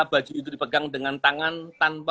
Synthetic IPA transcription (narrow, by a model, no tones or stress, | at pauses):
b̥ḁd͡ʒ̥uit̪̬udipəɡaŋdəŋant̪aŋant̪anpa